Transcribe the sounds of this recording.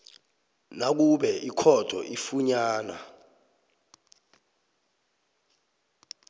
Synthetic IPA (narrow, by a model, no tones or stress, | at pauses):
nak̬uɓɛʔikʰɔd̥ʱɔ̰ʔifuɲaːna̰